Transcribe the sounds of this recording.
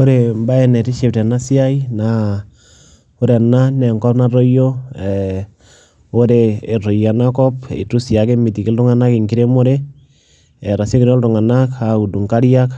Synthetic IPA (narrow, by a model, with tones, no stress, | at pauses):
o˦ɾe˨mba˦ɛ˨nɛ˨ɾi˦ʃe˨p̚tɛ˨na˦si˦a˦i˦na | o˦ɾɛ˨na˦nɛ˨ŋkɔ˦pna˦ɾo˦jo˦ɛ | o˦ɾeː˨ɾo˨ja˨na˦kɔ˦pḛ˨tu˦sja˨ke˦mi˨ti˨ki˦ltʊ˦ŋa˦na˦ki˨ŋki˦ɾe˦mo˦ɾe˦ | ɛ˨ɾa˨sjo˦kiɾɔ˦ldʊ˨ŋa˨naka˨u˨du˨ŋka˦ɾjak